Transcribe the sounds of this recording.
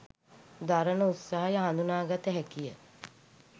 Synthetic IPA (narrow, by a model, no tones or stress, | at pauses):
d̪aɾənəut̪saɦajəɦand̪unaːɡat̪əɦækijə